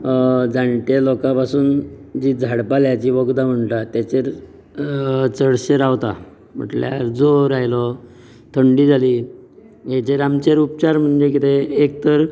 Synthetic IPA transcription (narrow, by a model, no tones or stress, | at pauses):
d͡zaɳʈ̪elɔkãpasuːnd͡ʑiːd͡zʱaɽpaljat͡ɕiʋoɡd̪am̤əɳʈ̪at̪jat͡ɕeɾ | t͡səɽɕeɾaʋt̪a̰ | m̤ə̰ʈlja̰ɾd͡zoɾajlɔ | t̪ʰəɳɖiːd͡zʱali | jet͡ɕeɾamt͡ɕeɾup̚t͡ɕaɾm̤əɳd͡ʑek̬it̪ʰeːk̚t̪əɾ